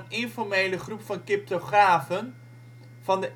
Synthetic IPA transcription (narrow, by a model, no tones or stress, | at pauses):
nɪnfɔɹmejləχrupfɑnkɪp̚toχraːvən | v̥ɑndə